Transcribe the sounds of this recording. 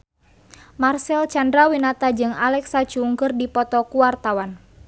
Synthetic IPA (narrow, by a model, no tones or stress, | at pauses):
marsɛlt͡ʃandɾawinat̪ad͡ʒɨŋalɛksat͡ʃuːŋkɨrdipɔt̪ɔkuwart̪awan